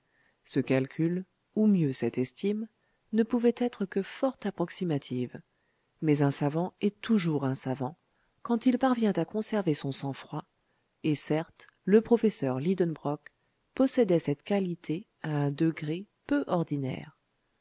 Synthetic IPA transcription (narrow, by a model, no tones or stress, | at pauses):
səkalkʲʰyl | umjøsɛt̪ɛst̪im | nəpuvɛt̪ɛt̪χəkəfɔʁt̪apχɔksimat̪ʰiv | mɛzɛ̃savɑ̃ɛt̪uʒuʁɛ̃savɑ̃ | kɑ̃t̪ilpaʁvjɛ̃t̪akɔ̃sɛʁvesɔ̃sɑ̃fχwa | esɛʁt̪ | ləpχɔfɛsœʁlid̪ɔnbʁɔk | pɔsɛd̪ɛsɛt̪kalit̪ʰe | aɛ̃d̪əɡʁe | pøʔɔʁd̪inɛ̰ːʁ